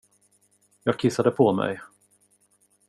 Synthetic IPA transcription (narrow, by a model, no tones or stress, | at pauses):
jɑːɡ̚kʰɪsːad̪əpʰɔmɛ̰j